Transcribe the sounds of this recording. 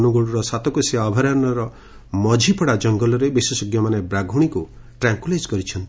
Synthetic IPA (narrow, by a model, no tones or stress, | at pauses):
nuɡuɽuɾɔsat̪ɔkuseaːbʱaɾaɾnɔɾɔ | mɔd͡ʒʱipɔɽad͡ʒɔŋɡɔlɔɾebisesɔɡjɔmanebɾaɡʱuɽ̃iku | ʈɾaŋkuled͡ʒkɔɾit͡ʃʰɔnt̪i̥